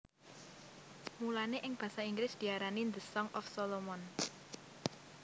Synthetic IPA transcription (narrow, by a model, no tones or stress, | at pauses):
mulaneʔɪŋb̥ä̤saiŋɡɾɪsd̪̥i̤aɾanind̪əsɔŋʔɔfsɔlɔmɔn